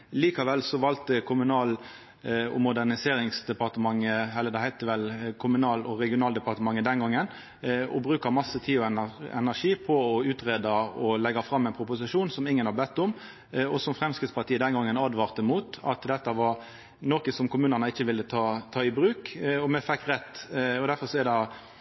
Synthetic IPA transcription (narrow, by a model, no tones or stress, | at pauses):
liːkɑʋɛlsɔʋɑlt̪əkʰʊmʉnɑːl | ɔ̰mʊd̪ænɪseːɾɪŋsd̪ɛpɑʁt̪əmɑŋːəɛlːəd̪ɛhæɪt̪əʋɛlkʰʊmʉnɑːlɔɾɛɡɪʊnɑːld̪ɛpɑʁt̪əmɑŋːəd̪ɛnɡɑŋːən | ɔ̰bɾʉːkɑmɑsːət̪ʰiːɔɛnɛ̰næʂiːpʰɔɔʉːt̪ʁeːd̪ɑɔlɛɡɑfɾɑmːæɪnpʰɾʊpʊsɪʂuːnsɔmɪŋːənhɑbɛt̪ːʊm | ɔsɔmfɾɛmskɾɪt̪spɑɾt̪iːəd̪ɛnɡɑŋːənɑd̪ʋɑɾt̪əmuːt̪ɑ̰t̪d̪ɛt̪ːəʋɑɾ | noːkəsɔmkʊmʉːnənəɪçːəʋɪlːət̪ʰɑːt̪ʰɑːɪbɾʉːkɔmɛfɛkːɾɛt̪ːɔd̪æɾfɔɾsɔɛɾd̪ɑ